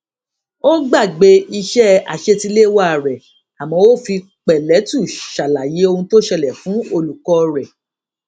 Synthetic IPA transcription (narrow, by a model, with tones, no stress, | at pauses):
o˦ɡ͡ba˦˨ɡ͡be˧i˧ʃɛ˦a̰˨ʃe˧ti˧le˦wa˦˨ɾɛ˨ | a˨mɔ̃˨˦wo˦˨fi˧ | k͡pɛ˨lɛ˨˦tu˦˨ʃa˨la˨je˨˦o˧hũ˧to˦ʃɛ˧lɛ˨fũ˨˦o˧lu˨kɔ˧ɾɛ˨